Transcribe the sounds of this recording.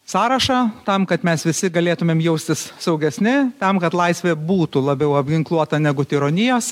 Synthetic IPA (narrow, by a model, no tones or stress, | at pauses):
sɑːɾɐʃɑt̪ɐmkɐt̪mʲɛsʋʲɪsʲɪɡɐlʲeːt̪ʊmʲeːmjɛʊsʲt̪ʲɪssɐʊɡʲɛsʲnʲɪt̪ɐmkɐt̪lˠɐɪsʲʋʲeːbuːt̪ulˠɐbʲɛʊɐbʲɡʲɪŋklˠuɔt̪ɐnʲæɡʊt̪ʲɪɾonʲɪjoːs